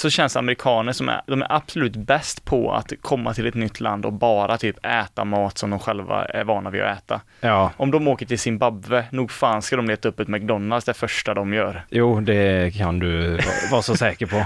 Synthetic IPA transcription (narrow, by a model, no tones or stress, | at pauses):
sɔɕɛnsa̰mɛɾɪkʰɑːnəʂɔmæ̰ɾd̪ɔmæ̰ɾʔab̥sɔlʉ̟ːt̪bɛst̪pʰɔ̰a̰t̪kʰɔmːat̪ʰɪlɛt̪nʏt̪ʰːla̰nd̪ɔkbɑːɾat̪ʰyːpɛːt̪a̰mɑːt̪sɔmd̪ɔmɧɛlva̰æ̰ɾvɑːɳavɪ̰ɛːt̪a̰ | ɑʔɔmd̪ɔmoːkəʈʰɪlsɪnbabːənuːɡfaːnskad̪ɔmleːt̪aɵpːɔt̪mak̚d̪ɔnːalsd̪ɛæɾfœʂʈad̪ɔmjœːɾjuːd̪ɛkʰand̪ɵ̰vɑːsɔsɛːkəɾpʰɔ